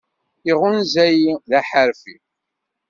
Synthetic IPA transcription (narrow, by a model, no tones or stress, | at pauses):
θiʁʊnzæjiðæħəɾfi